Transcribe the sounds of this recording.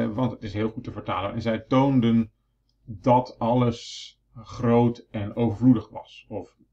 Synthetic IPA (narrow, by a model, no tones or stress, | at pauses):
ʋɑntətɪsɦɪːlˠχutəvəɹta̰ːlənɛnzɛjtowndən | dɔtʰɑləs | χrowtɛnowvəɹvludəχʋɑ̰sɔf